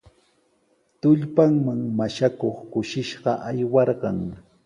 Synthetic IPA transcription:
t̪ʊʎpaŋmaŋmaʃakoχkʊʃɪʃɢɑʔajwɑɾɢɑŋ

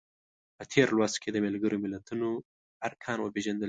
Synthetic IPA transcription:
pət̪ʰeɾlwast̪kʰed̪əmalɡəɾomɪlat̪uno | aɾkʰɑnwəpeʒand̪əl

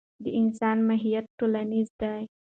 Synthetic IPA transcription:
d̪əɪnsɑnmaɦijat̪̚ʈolanizd̪aj

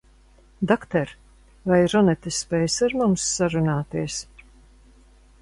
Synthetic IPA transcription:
d̪akt̪ɛɾ | vajɾɔnɛt̪esːpɛːjsaɾmumsːaɾunaːt̪iəs

